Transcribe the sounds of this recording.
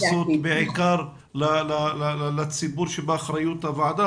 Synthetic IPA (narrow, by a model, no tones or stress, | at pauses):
sot̪bɪʕɪkɑɾˤ | lalallat͡sːɪbuːɾʃebaxɾˤajut̪avaʕd̪a